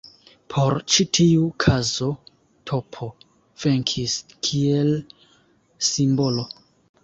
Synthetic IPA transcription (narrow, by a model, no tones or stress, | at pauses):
pʰo̞ɾt͡ʃitʰiukʰazo̞ | tʰo̞pʰo | v̥eŋkʰiskʰiel | simbo̞lo̞